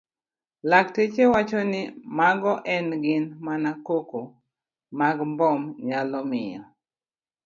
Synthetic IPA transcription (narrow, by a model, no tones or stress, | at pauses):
lak̚tet͡ʃewat͡ʃɔnɪmaɡɔʔɛnɡɪnmanakoko | maɡmbɔmɲalɔmɪjɔ̰